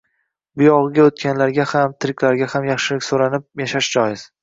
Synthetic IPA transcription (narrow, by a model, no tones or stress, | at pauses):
bʊjɒʁɨɡʲaot̪̚kʲanlaɾɡʲahamt̪ʰɪɾɪkʲʰlaɾɡʲahamjaχʃɪlɪkʲsoɾanɪp̚jaʃaʃd͡ʒɒjɪz̥